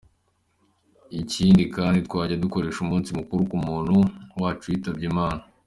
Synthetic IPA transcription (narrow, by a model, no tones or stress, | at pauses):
iciːndikaːnditwaːɟaduko̞ɾe̞ːʃumuːnsimukuɾukumuːnhuwaːt͡ʃuwjiːtabɟimaːna